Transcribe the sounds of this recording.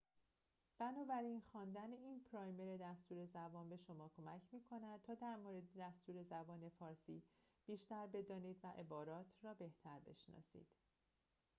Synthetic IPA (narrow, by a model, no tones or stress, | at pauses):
b̥ænɒːbæɾinxɒːnd̪æneiːnpʰɾɒːjme̞ɾe̞d̪æst̪uːɾe̞zæbɒːnbe̞ʃo̞mɒːkʰo̞mæcʰmiːkʰo̞næd̪̚t̪ʰɒːd̪æɾmoɾe̞d̪ed̪æst̪uːɾe̞zæbɒːne̞fɒːɾsḭːb̥iːʃt̪æɾbe̞d̪ɒːniːd̪væʔebɒːɾɒːt̪ʰrɒːbe̞ht̪ʰæɾbe̞̰ʃnɒ̰ːsḭːd̪̥